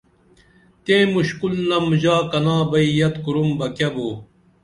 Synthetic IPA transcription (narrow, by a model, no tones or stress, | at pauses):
t̪ẽːmuɕkulnɐmuʑaːkɐnaːbɐijɐt̪kuɾumbɐkɐboː